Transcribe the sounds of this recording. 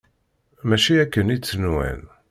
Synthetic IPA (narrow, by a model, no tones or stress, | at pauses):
mæʃiækːənit͡sːənwæ̰n